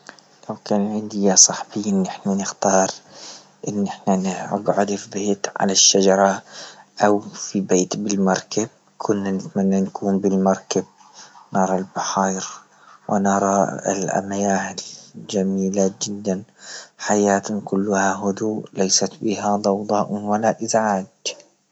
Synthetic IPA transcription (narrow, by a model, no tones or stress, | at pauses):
lawkaːnʕɪnd̪ɪjasˤɑħbiːɪnːʔɪħnanɪxt̪ɑːɾˤ | ʔɪnːʔɪħnanɪɡʕʊd̪fibeːt̪ʕa̰laʃːad͡ʒɑɾˤɑʔawfibeːt̪bɪlmɑɾˤkab̚ | kʰʊnːanɪt̪manːankʰuːmbɪlmɑɾˤkab̚ | nɑɾˤɑlbaħɑːjɾ | wɪ̰nɑɾˤɑɪ̰lʔa̰majaːhɪld͡ʒamiːlad͡ʒɪd̪ːanħajaːt̪kʊlːʊhaɦʊd̪uːlajsat̪bɪɦad̪ˤɑwd̪ˤɑʔwalaʔɪzʕaːd̪